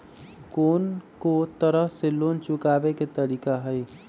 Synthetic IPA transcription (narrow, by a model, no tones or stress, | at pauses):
koːnkot̪əɾəɦseloːnt͡ʃʊkaːbeket̪əɾiːkaɦəj